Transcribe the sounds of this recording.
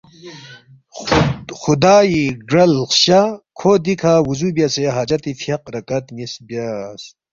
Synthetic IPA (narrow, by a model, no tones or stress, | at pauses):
xud̪aːiɡɐlxɕakʰoːd̪ikʰawuzubjaseɦaːd͡ʑɐɾt̪ifʰjɐq̚ɾɐkɐt̪nisbjas